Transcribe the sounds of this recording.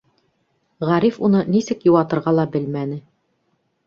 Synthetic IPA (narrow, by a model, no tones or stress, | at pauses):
ʁæɾifunɤnisɘkjuwɑt̪ɤ̆ɾʁɑlˠɑbɘlmænɘ